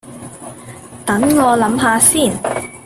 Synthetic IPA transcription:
t̪ɐ˨˥ŋŋɔː˨˧lɐ˨˥mɦaː˨˧siː˥˩n

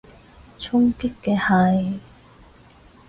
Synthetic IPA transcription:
t͡ʃʰʊ˥ŋkɪ˥kːɛː˧ha˨˧˩j

